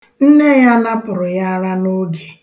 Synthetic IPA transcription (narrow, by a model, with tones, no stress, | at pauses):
n̩˦ne˦˨ja˦na˦pʊ˨ɾʊ˨ja˦a˦ɾa˦no˦ɡe˨